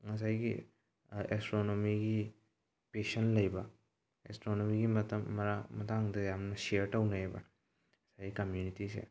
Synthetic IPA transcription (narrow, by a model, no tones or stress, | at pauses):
ŋɐsajɡi | estɾonomiɡi | pesɐnlɐjbɐ | ḛstɾonomiɡimɐtɐmːɐamɐtaŋdɐjamnɐseɐɾtɐwnɐejbɐ̰ | ɐsajɡikɐmjunitisḛ